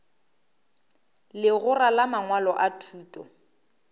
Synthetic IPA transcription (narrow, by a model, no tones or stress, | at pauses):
lɪɣʊralamaŋwalɔʔatʰuːtʼɔ̰